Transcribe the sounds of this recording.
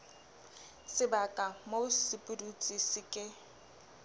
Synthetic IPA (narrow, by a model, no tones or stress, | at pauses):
sɪbakʼamosɪpʼʊdut͡sʼisɪkʼɪ